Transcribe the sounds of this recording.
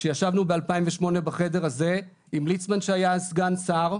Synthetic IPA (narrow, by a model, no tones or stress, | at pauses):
ʃejaʃavnubealpaimveʃmo̞nebaχe̞de̞ʁaze̞ | imlit͡smanʃeajasɡansaʁ